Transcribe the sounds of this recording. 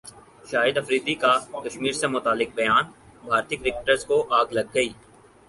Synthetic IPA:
ʃaːjɪd̪ɐfɾiːd̪ikakɐʃmiːɾsemʊt̪aːlɪk̚bɐjaːn | bʱaːɾt̪ɪkɾɪk̚ʈəɾzkoʔaːɡlɐɡːɐiː

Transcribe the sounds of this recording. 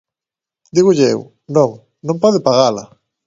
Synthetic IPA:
d̪iɣʊʎḛw | nõŋ | nõmpɔðɪpaɣala̰

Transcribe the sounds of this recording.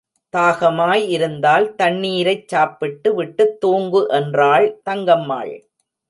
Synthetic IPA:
t̪aːɣɐmaːjɪɾɯnd̪aːlt̪ɐɳːiːɾɐɪt͡ʃːaːpːɪʈːɯʋɪʈːɯt̪ːoːŋɡɯʔɛndraːɭt̪ɐŋɡɐmːa̰ːɻ

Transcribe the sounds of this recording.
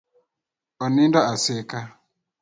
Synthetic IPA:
ɔnindɔaseka

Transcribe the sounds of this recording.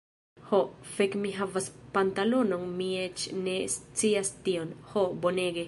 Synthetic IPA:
hofekmiɦavaspant̪alo̞no̞nmiet͡ʃne̞st͡siastio̞nhobone̞ɡe

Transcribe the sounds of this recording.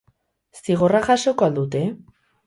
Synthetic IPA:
siɣ̞o̞raxaʃo̞koald̪ut̪e̞

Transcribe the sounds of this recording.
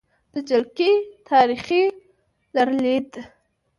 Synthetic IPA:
d̪̥əd͡ʒalkit̪ʰɑɾiχi | laɾlid̪

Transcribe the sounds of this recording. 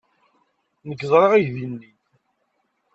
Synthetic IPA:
nəɡzˤɾˤeʁiʝðinːi

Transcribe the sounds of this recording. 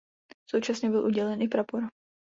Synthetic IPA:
sowt͡ʃasɲɛbɪlʔuɟɛlɛnʔɪpɾapoɾ

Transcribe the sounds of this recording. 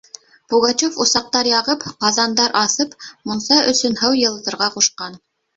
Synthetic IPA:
puɡɑt͡ɕofŏsɑq̚t̪ɑɾjɑʁɤpqɑzɑnd̪ɑɾʔɑθɤpmunsɑʔɵ̆sɵnhɤwjɤ̆l̆ˠt̪ɤ̆ɾʁɑquʃqɑn

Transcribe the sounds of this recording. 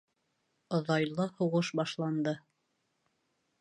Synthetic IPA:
ŏðɑjlˠɤhuʁɤʃbɑʃlˠɑnd̪ɤ

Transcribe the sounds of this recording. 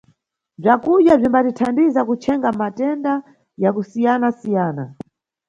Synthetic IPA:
b͡ʐakuɗjab͡ʐimbatitʰandizakut͡ʃʰɛŋɡamatɛnda | jakusijanasijaːna

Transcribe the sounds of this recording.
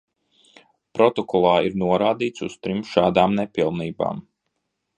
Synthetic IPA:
pɾɔt̪ɔkʰɔlˠaːiɾnuɔɾaːd̪iːt̪sust̪ɾimʃaːd̪aːmnepilˠniːba̰ːm

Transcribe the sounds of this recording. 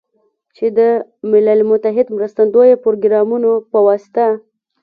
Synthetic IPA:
t͡ʃed̪əmɪlalmʊt̪aɦɪd̪mɾəst̪and̪ojopoɾoɡɾɑmunopəwɑsɪ̥t̪a

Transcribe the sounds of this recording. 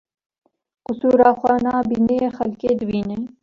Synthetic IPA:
kʊsuɾaːxwanaːbinexɐlkeːd̪wiːnɐi

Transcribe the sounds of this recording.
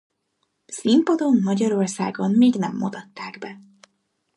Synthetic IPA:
simpɒd̪o̞nːɒɟɒɾo̞rsa̰ːɡommiːɡnɛmːod̪ɒt̪ːaːɡbɛ

